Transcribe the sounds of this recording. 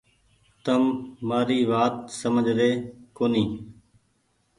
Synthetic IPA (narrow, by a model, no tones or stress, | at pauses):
t̪əmːaːɾiːʋaːt̪səməd͡ʒʱɾeːkoːniː